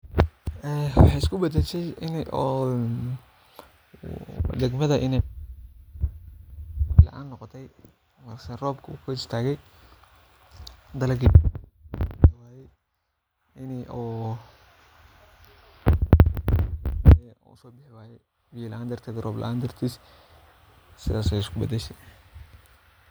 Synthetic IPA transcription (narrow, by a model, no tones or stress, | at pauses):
ʔɛwɑħɑjɪskʰʊbɐd̪ɛʃɛjɪnː | d̪ɛɡmɐðɐʔɪnɛ | lɐ̰ʔa̰ːnːɔqɔt̪ʰɛj | mɐsɛrɔːbkʰʊkʰʊɪst̪ʰaːɣɛj | d̪ɐlɐɡɪ | d̪ɐwaːðɛj | ɪnʔɔː | ɛ̰ʊsɔːbɪħɪwaːjɛ | wijɛlaːnd̪ɐrt̪ʰɛːd̪rʔɔːblɐ̰ʔaːnd̪ɐrt̪ʰiːs | sɪðaːsɛjɪskʰʊbɐd̪ɛʃɛ